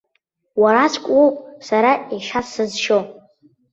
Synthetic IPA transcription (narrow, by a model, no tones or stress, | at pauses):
waɾasʷʰʼkʷʼosaɾaiʃasɨzʃo